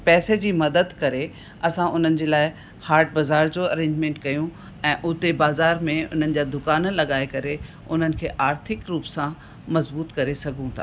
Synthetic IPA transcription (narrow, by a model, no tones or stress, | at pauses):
pɛːsed͡ʑiːmɐd̪əd̪kɐɾe | ɐsãʔʊn̤ənɪ̆d͡ʑeːlaːɪ | haːɾʈ̚bɐzaːɾd͡ʑoɐɾẽːɲd͡ʑmẽːɳʈkɐjũ | ɛ̃ːʔʊt̪ebaːzaːɾmẽʊ̰n̤ənɪ̆d͡ʑaːd̪ʊkaːnlɐɠaːekɐɾe | ʊn̤ənɪ̆kʰeːʔaːɾt̪ʰɪkɾuːpsã | mɐzbuːt̪kɐɾesɐɡʱũt̪ʰa̰ː